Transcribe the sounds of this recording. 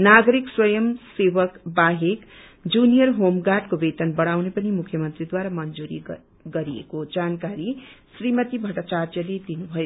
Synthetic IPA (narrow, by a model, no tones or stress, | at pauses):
naɡʌɾikswʌjʌmsebʌkbaɦek | d͡zunijʌrɦomɡaʈkobet̪ʌnbʌɽawnepʌnimukʰjʌmʌnt̪rid̪waɾamʌnd͡zuɾi | ɡʌɾiḛkod͡zankaɾisrimʌt̪ibʱʌʈʌt͡sart̪jʌled̪inubʱʌjo